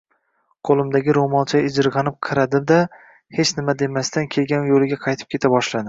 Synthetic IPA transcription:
qʰolˠɪmd̪aɡʲɪɾomɒlˠt͡ʃʰaɪd͡ʒɪɾʁɑnɪp̚qʰɨɾad̪ɪd̪a | het͡ʃnɪmad̪e̞mast̪ankʲʰe̞lɡʲanjolɪɡʲaqʰɑjt̪ʰɪ̥p̚kʲʰe̞t̪ʰabɒʃlad̪ɪ

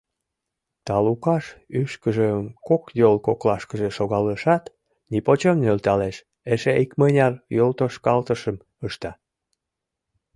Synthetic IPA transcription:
t̪ɑlukɑʃyʃkəʒemkokjolkoklɑʃkəʒeʃoɣɑləʃɑt̪ | nipot͡ɕemnølt̪ɑleʃ | eʃeikmənʲɑrjolt̪oʃkɑlt̪əʃəm | əʃt̪ɑ

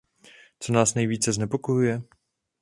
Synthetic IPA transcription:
t̪sɔnasnajvʲit̪sɛzɲɛpɔkɔjujɛ

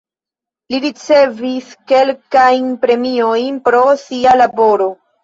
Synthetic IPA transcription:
liɾit͡se̞viske̞lkajnpɾe̞mio̞jnpɾo̞sialabo̞ɾo̞

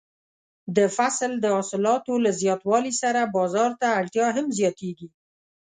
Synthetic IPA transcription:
d̪əfasld̪əɑsɪlɑt̪olazjɑt̪wɑlisaɾabɑzɑɾt̪aːɽʈ̪jɑɦamzjɑt̪eɡi

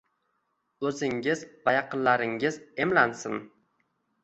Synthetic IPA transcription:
ɵzɪŋɪzvajɑqʰɨnlaɾɪŋɪze̞mlansɪn

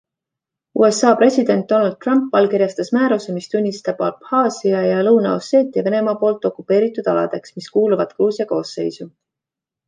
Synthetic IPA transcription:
ṵːe̞sɑːpre̞sʲid̪̥e̞nt̪̚d̥̪ːo̞nɑld̪̚t̪ːrɑmpvɑlkiɾjɑst̪ɑsmæːɾuse̞mist̪unʲːist̪ɑb̥ɑlphɑːsiɑjɑlɤwnɑose̞ːt̪ːˑiɑve̞ne̞mɑpo̞ːlt̪ːˑo̞kːˑupːˑe̞ːɾit̪ːˑud̪̥ɑlɑ̰d̪̥e̞ksmiskuːluvɑd̪̥kruːsjɑko̞ːsːe̞̰jsu

